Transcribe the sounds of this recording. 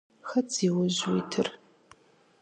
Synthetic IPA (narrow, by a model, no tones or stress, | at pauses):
xɐt͡sʰʼiwʊʑwitʰɨr